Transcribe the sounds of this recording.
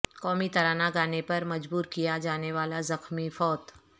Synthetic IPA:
kɔːmit̪ɐɾaːnaɡaːnepɐɾmɐd͡ʒbuːɾkijad͡ʒaːneʋaːlazɐxmifɔːt̪

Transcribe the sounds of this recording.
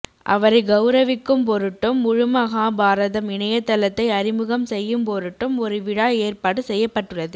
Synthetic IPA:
ʔɐ̰ʋɐɾɐɪɡɐʊɾɐʋɪkːɯmpɔɾɯʈːɯmʊɻɯmɐɣaːbaːɾɐðɐmɪɳɐjɐt̪ːɐlɐt̪ːɐɪɐɾɪmɯɣɐmsɛjːɯmpɔɾɯʈːɯmɔɾɯʋɪɽaːeːrpaːɽɯsɛjːɐpːɐʈːɯɭːɐðɯ

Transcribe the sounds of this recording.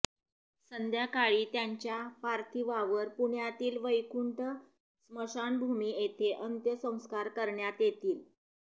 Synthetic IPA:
sənd̪ʱjakaɭiːt̪jaɲt͡ɕjapaɾt̪ʰiʋaʋəɾpuɳjat̪iːlʋəjkuɳʈə | sməʂanbʱumiːet̪ʰeʔənt̪jəsə̃w̃skaɾkəɾɳjat̪jet̪iːl

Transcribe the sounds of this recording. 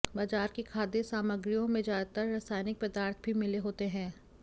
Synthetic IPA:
baːd͡ʒaːɾkekʰaːd̪esaːməɡɾijõmẽd͡ʒaːd̪t̪əɾːaːsaːjnɪk̚pɐd̪aːɾt̪ʰbʱimɪleɦoːt̪eɦɛ̃ː

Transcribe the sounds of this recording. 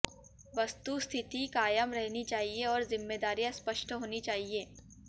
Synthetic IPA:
ʋɐst̪ust̪ʰɪt̪ikaːjəmɾɛɦnit͡ʃaːɦieɔːɾzɪmːeːd̪aːɾijãspəʃʈɦoːnit͡ʃaːɦieː

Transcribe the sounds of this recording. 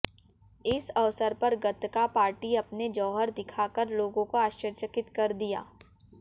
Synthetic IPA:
ɪsɐʋsəɾpɐɾɡɐt̪kapaːɾʈiɐpned͡ʒɔːɦəɾd̪ɪkʰaːkəɾloːɡõkoaːʃəɾt͡ʃəkɪt̪kɐɾd̪ija̰ː

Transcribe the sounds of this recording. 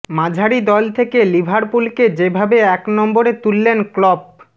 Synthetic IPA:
mãd͡ʑʱaɾid̪ɔlt̪ʰekelibʱaɾpulked͡ʑebʱabeɛknɔmboɾet̪ulːenklɔb̚

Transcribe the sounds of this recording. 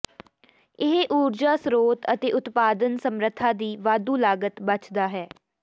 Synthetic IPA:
ɪɦʔuːɾd͡ʒaːsɾoːt̪ət̪eːʔʊt̪paːd̪ənsəmɾət̪ʰːãːd̪iːʋaːd̪uːlaːɡət̪bət͡ʃʰd̪aːɦɛː

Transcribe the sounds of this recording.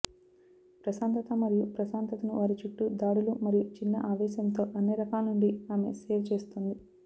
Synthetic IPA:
pɾɐsaːnt̪ɐt̪ɐmɐɾijupɾɐsaːnt̪ɐt̪ɐnuʋaːɾit͡ʃuʈːud̪aːɽulumɐɾijut͡ʃinːɐ̰ʔaːʋɛːʃjɐnt̪o̞ːʔɐnːeːɾɐkaːlnuɳɖiaːme̞̰seːʋt͡ʃe̞ːst̪und̪i

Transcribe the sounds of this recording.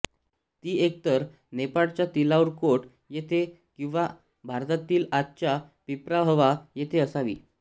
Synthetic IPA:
t̪iːek̚t̪əɾ | nepaɭt͡ɕjat̪ilauɾkoʈ | jet̪ʰe | kĩw̃ʋa | bʱaɾt̪at̪iːlat̪̚t͡ɕjapipɾabəʋajet̪ʰeəsaʋḭː

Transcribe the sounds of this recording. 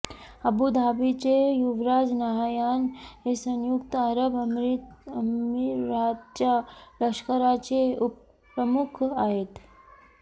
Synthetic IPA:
ɐbud̪ʱaːʋit͡ʃejuʋɾaːd͡ʒnaɦajaːnesənjukt̪əɾəbɐmɾimiɾaːt̪t͡ʃalɐkʃkəɾat͡ʃeup | ɾəmukʰaːɦet̪

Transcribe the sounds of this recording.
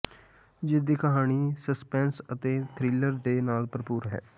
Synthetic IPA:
d͡ʒɪsd̪iːkəɦaːñiːsəspɛ̃ːnsət̪eːt̪ʰɾɪləɾɖeːnaːlpəɾpuːɾɦɛ̰ː

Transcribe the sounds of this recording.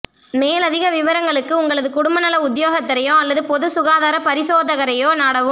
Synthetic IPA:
meːlɐðɪɣɐʋɪʋɐɾɐŋɡɐɭɯkːɯʊŋɡɐɭɐðɯkʊɽʊmbɐnɐlɐʊd̪joːɣɐt̪ːɐɾɐjõːɐlːɐðɯpɔðɯsʊɣaːðaːɾɐpɐɾɪsoːðɐɣɐɾɐjoːnɐɽɐʋɯ

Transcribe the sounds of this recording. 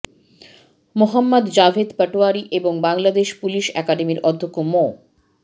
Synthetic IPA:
moɦamːad̪d͡ʑafed̪pɛʈoaɾiʔeboŋbaŋlad̪eʃpuliʃɛ̰kaɖemiɾɔd̪ʱːokːomo

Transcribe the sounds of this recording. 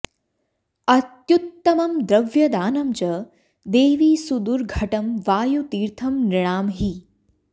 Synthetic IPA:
ɐt̪jut̪ːɐmɐmd̪ɾɐʋjɐd̪aːnɐmt͡ʃɐ | d̪eːʋiːsud̪uɾɡʱɐʈɐmʋaːjut̪iːɾt̪ʰɐmnɪɽ̃aːmɦi

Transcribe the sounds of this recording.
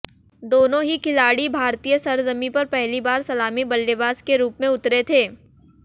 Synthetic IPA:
d̪oːnõɦikʰɪlaːɽibʱaːɾt̪iːjəsɐɾzəmipɐɾpɛɦlibaːɾsɐlaːmibɐlːebaːzkeɾuːpmẽʊt̪ɾet̪ʰeː

